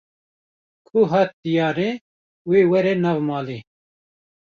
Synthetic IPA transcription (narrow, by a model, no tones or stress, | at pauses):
kʰʊɦɑːt̪̚d̪ijɑːɾe | weːwɛɾɛnɑːvmɑːli